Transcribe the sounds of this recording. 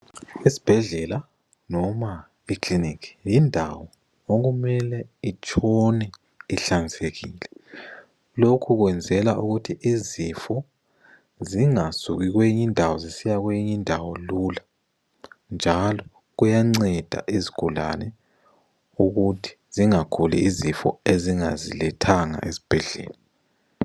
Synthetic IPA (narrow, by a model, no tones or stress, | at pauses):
isi̥b̥ʱɛɮɛla | nɔma | ikʰlinikʰi̥jindʱawɔ | oɣumɛlɛit͡ʃʼʰɔnɛ | iɬaniseɣiːlɛ | lokʰuɣwɛnd͡zʱɛlaʔuɣutʰiʔizifɔ | ziŋasuɣiɣwejiɲindʱawɔzisijaɣwejiɲindʱawɔlula | nd͡ʒʱalɔ | ɣujaŋ͡ǀɛd̥ʱa̰ʔiziɡ̥ʱula̰nɛ | uɣutʰi̥ziŋakʰulḭizifɔ̰eziŋazḭlɛtʰaŋa̰ʔezi̥b̥ʱɛɮɛ̰ːla